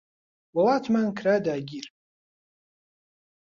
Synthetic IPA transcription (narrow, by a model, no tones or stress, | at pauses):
walatʰmankʰradaːɡʲir